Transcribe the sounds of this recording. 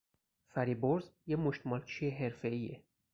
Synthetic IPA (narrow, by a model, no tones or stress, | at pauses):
fæɾiboɾzjemoʃt̪mɒlt͡ʃʰieɦe̞ɾfe̞iːḛ